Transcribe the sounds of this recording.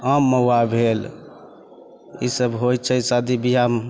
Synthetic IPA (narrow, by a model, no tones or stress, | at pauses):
amːəwabʱel | ḭsəbɦojt͡ʃʰəsad̪ibijam